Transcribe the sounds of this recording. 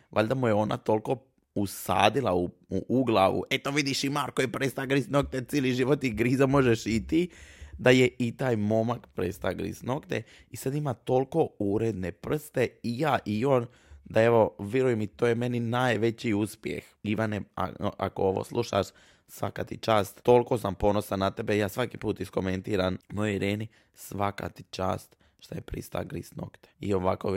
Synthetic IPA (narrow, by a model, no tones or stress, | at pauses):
ʋʔa̰ʎʲd̪amujeo̞ːnʔa̰t̪o̞lko̞ | usa̰ːd̪ilˠauuʔuɡlˠaʋṵʔet̪o̞ʋid̪iʃimaːɾkojepɾest̪aɡɾisnok̚t̪et̪siliʒiʋot̪iɡɾizamo̞ʒeʃit̪id̪ajeit̪aːjmo̞makpɾest̪aɡɾḭsnokt̪ḛ | isad̪imat̪o̞lko̞uɾed̪ne̞pr̩st̪e̞ijaːʔio̞ːn | d̪ae̞ʋo̞ʋjeɾujemit̪oːjeme̞ninaːjʋe̞t͡ɕiuspjḛxiʋanea̰ʔa̰kooʋo̰slˠʔuʃa̰ʃ | sʋa̰kat̪it͡ʃaːst̪ːo̞lˠko̞sampo̞no̞sanːat̪e̞bejaːsʋakipuːt̪isko̞ment̪iːɾanmojoiɾeːni | sʋaka̰t̪i̥t͡ʃa̰ːst̪ | ʃt̪ajepɾḭst̪a̰ɡɾḭsno̰kt̪e̥io̞ʋako